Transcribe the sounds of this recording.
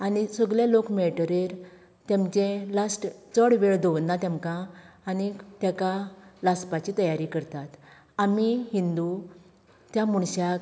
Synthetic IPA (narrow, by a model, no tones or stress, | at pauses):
anisəɡlelokmeɭʈəɾeɾ | t̪jɛ̃mt͡ɕẽlasʈt͡səɽʋeɭd̪oʋənːat̪ãmkãːnit̪jakalaspat͡ɕit̪əjaɾikəɾt̪at̪ | amiɦind̪u | t̪jamuɳɕak